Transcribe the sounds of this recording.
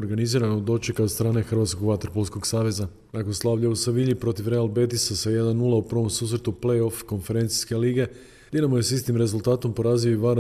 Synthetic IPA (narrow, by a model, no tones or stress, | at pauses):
oɾɡaniziːɾanod̪o̞t͡ʃekast̪ɾaːne̞xrʋaːt̪ko̞ɡʋat̪oopolsko̞ɡsaːʋe̞za | nakonslˠaːʋʎausaʋiʎipɾo̞t̪ifɾe̞alˠbe̞t̪isasaje̞d̪anːulˠaupr̩ʋo̞msuːs̬ɾe̞t̪uple̞jo̞fko̞nfe̞ɾe̞nt̪si̥ske̞liːɡe̞ | d̪enamojesist̪imɾe̞zulˠt̪aːt̪o̞mpo̞ɾaːzioiʋaɾ